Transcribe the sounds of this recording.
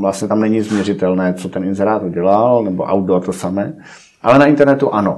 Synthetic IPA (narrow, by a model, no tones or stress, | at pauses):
vlast̪ɲɛt̪amnɛɲizmɲɛrɪt̪ɛlnɛːt͡sot̪ɛnɪnzɛɾaːt̪uɟɛlalnɛbo̰ʔa̰wt̪ot̪osamɛː | ʔalɛnaɪnt̪ɛɾnɛt̪uʔano